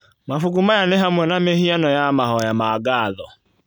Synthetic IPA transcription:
mafuɡumajanɪɦamwɛnamehianɔjamaɦɔjamaɡaːðɔ

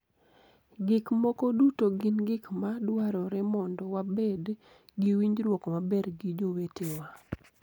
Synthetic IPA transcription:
ɡɪkmɔkodutoɡɪnɡɪkmadwaɾɔɾɛmɔndɔwabed | ɡiwiɲd͡ʒɾwɔkɔmabɛɾɡid͡ʒowetewa

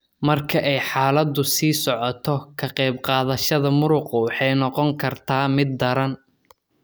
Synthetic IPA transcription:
mɐrkʰɐʔɛjħaːlɐd̪ʊsiːsɔʕɔt̪ʰɔkʰɐqɛjbqɑːðɐʃɐðɐmʊɾʊqʊwɑħɑjnɔqɔŋkʰɐrt̪ʰaːmɪd̪ːɐɾɐn

